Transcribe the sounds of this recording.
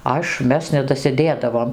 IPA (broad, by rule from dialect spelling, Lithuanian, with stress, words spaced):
ˈɐʃ ˈmʲɛs nʲɛdɐsʲɪˈdʲeːdɐʋoːm